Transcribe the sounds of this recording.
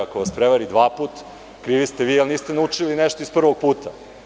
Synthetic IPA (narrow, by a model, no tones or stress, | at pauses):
akoʋaspɾeʋaɾid̪ʋaːpuːt̪ | kɾiːʋist̪eʋiːalniːst̪enaut͡ʂilineʃt̪oispr̩ʋo̞ɡ̚puːt̪ʰa